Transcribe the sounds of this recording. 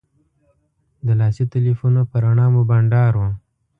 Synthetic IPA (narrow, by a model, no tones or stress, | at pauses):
d̪əlɑsit̪ɪlifunopəɾaɳɑmobaɳɖɑɾwa